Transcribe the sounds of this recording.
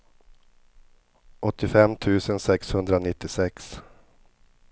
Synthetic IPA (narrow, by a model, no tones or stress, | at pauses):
ʔɔt̪ːɪfɛmːt̪ʰʉ̟ːsənsɛkshɵnd̪ɾanɪt̪ːɪsɛks